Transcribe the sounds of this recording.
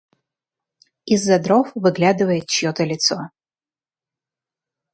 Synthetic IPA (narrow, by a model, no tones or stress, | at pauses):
izːɐd̪ɾofvɨɡlʲad̪ɨvɐjɛt̪̚t͡ʃjɔt̪ʰɐlʲɪt̪so